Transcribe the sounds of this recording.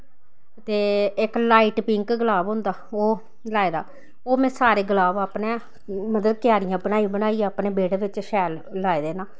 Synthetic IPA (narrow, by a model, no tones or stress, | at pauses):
t̪eːɪklaːiːʈpɪŋkɡəlaːbɦʊ̃ːnd̪aːoː | laːeːd̪a̰ː | oːmɛ̃ːsaːɾeːɡəlaːbaːpnẽː | mət̪ləkjaːɾɪjãːbənaːibənaːiaːpneːbeːɽeːʋɪt͡ʃʃɛːlːaːeːd̪eːnaː